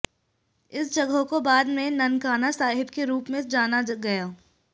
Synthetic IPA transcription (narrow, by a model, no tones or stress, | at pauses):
ɪsd͡ʒɐɡɦokobaːd̪mẽnɐnkaːnasaːɦɪbkeɾuːpmẽd͡ʒaːnaɡɐjaː